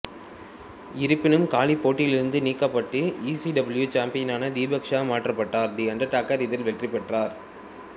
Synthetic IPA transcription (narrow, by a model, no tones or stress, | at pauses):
ɪɾɯpːɪnɯmkaːlipːoːʈːɪjlɪɾɯnd̪ɯniːkːɐpːɐʈːɯiːsiɖɐbɐljut͡ʃaːmpɪjɐnaːnɐd̪iːbɐkʂaːmaːʈrɐpːɐʈːaːɾd̪iːɐɳɖɐʈaːkɐɾɪðɪlʋɛʈripɛʈraːɾ